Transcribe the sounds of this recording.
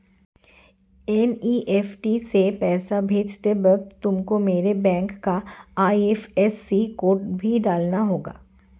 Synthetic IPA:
ɛniːʔɛːfʈisepɛːsabʱeːd͡ʒt̪ebɐɡ̚t̪t̪ʊmkomeːɾebɛ̃ːŋkːaaːiefɛsːikoːɾʈbʱiɖaːlnaɦoːɡa̰ː

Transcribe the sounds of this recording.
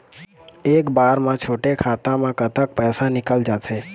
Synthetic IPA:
ekbaɾmãt͡ʃʰoʈekʰat̪amãkət̪ək̚pɛjsanɪkəld͡ʒatʰe

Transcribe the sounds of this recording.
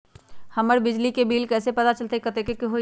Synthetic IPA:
həməɾbɪd͡ʒlikebiːlkɛːsepɐt̪at͡ʃəlt̪ekət̪ekekeɦo

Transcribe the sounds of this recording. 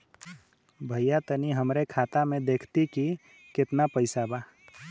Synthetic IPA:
bʱəjjat̪əniɦəmɾekʰaːt̪amẽd̪eːkʰt̪iki | kɪt̪napəɪsabaː

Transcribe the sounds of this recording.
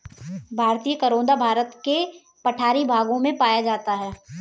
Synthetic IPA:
bʱaːɾt̪iːjəkɐɾõːnd̪abʱaːɾət̪ke | pɐʈʰaːɾibʱaːɡõmẽpaːjad͡ʒaːt̪aɦɛː

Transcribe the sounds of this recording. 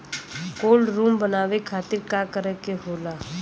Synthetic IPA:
koːlɾuːmbənaːʋekʰaːt̪ɪɾkaːkəɾɛkeɦoːlaː

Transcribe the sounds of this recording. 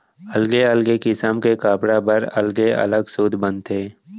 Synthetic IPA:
ɐlɡeəlɡekɪsəmkekaːpɽabəɾɐ̰lɡeɐ̰ləɡsuːd̪ʱbə̃nt̪ʰeː

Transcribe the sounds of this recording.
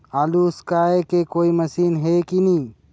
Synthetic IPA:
aːluːskaːekekoːimɐsiːnɦekinĩː

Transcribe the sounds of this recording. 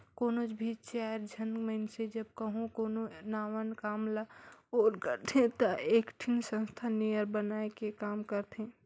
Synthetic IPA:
koːnod͡ʒbʱit͡ʃaəɾd͡ʒʱənməɪnsed͡ʒəbkəɦũkoːnonaːwənkaːmlaoːɾkəɾt̪ʰẽt̪əʔeːkʈʰinsə̃nst̪ʰanejəɾbənaːekekaːmkəɾt̪ʰẽ

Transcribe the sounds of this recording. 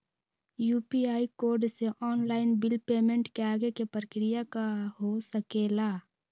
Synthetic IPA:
juːpiaːikoːɾɖseʔɔːnlaːɪnbɪlpeːmẽɳʈkeaːɡekepɾəkɾɪjakaɦosəkeːlaː

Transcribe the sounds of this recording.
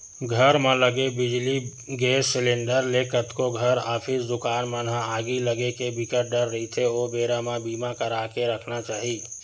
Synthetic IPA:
ɡʱəɾmẽləɡebɪd͡ʒli | ɡeːssɪlẽːɳɖəɾlekət̪koɡʱəɾaːpʰisd̪ʊkaːnmənɦãaːɡiləɡekebɪkəʈ̚ɖəɾːəɦit̪ʰeoːbeːɾamẽbiːmakəɾaːkeɾəkʰnat͡ʃaːɦiː

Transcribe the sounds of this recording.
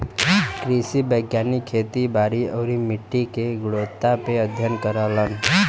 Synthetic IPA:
kɾisibəjɡjaːnikʰːet̪ibaːɾiəːɾimiʈːikeɡʊɽot̪ːapeəd̪ʱjənkəɾələn

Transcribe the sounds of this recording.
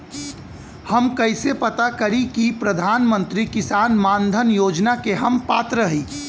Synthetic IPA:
hɐmkɐɪsepɐt̪akɐɾikipɾɐd̪ʱaːnmə̃nt̪ɾikɪsaːnmaːnd̪ʱənjoːd͡ʒnakeɦɐmpaːt̪ɾəɦiː

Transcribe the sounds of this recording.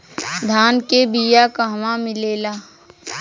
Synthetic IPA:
d̪ʱaːnkebijakaɦmãmɪleːlaː

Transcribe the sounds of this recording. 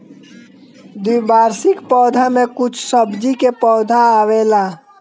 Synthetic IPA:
d̪wibaːɾsɪkpɔːd̪ʱamẽkʊt͡ʃʰsəbd͡ʒikepɔːd̪ʱaaːwela

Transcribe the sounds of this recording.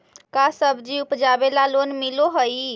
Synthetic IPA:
kasəbʱd͡ʒiupd͡ʒabelalonmiloɦəji

